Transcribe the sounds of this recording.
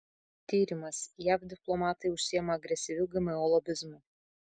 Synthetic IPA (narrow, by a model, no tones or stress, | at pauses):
t̪ʲiːɾʲɪmɐsjæfd̪ʲɪplˠɔmɑːt̪ɐɪʊʃʲsʲijɛmɐɐɡɾʲɛsʲɪʋʲʊɡʲɪmʲɛɔlˠɔbʲɪzmʊ